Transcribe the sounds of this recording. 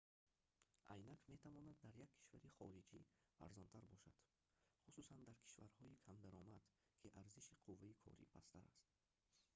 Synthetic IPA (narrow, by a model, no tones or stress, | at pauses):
ʔa̰jnakme̞t̪ʰavɔnad̪̚ːaɾjakʰːi̥ʃvaɾiχɔɾid͡ʒia̰ɾzɔnt̪ʰaɾbɔʃa̰d̪̥ | χususand̪aɾkʰi̥ʃva̰ɾhɔikʰamd̪aɾɔmad̪̥ | kʰiʔaɾziʃiqʰuvːaikʰɔ̰ɾḭpʰast̪ʰaɾa̰st̪